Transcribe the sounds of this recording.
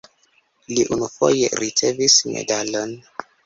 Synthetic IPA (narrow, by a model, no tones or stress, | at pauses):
liʔunufo̞̰jḛɾit͡se̞vismḛdalon